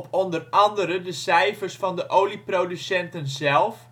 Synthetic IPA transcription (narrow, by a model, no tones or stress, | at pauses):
pɔndərɑndəɾədəsɛjfərsfɑndəʔowliprodysɛntənzɛlˠf